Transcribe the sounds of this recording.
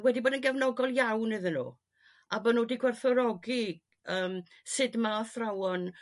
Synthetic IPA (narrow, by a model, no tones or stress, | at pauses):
wɛdiboːdənɡɛvnɔɡɔlˠjawnɨðənṵː | abənuːdiɡwɛrθɔɾɔɡi | əːm | sɪdmaθrawɔn